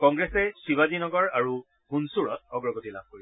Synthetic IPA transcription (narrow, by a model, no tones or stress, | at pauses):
kɔŋɡɹɛsɛsiwadinɔɡɔɹaɹu | hunsuɹɔ̰t̚ɔɡɹɔɡotilab̚ʱkoi